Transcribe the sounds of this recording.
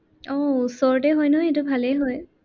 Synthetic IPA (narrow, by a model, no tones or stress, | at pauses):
ɔusɔɹtɛɦɔjnɔetubʱalɛɦɔj